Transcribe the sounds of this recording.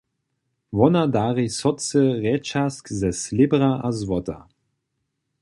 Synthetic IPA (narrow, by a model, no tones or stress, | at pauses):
vɔnadaːʁisɔt͡səʁɛːt͡ʃaskzɛslɪbʁaʔazwɔt̪a̰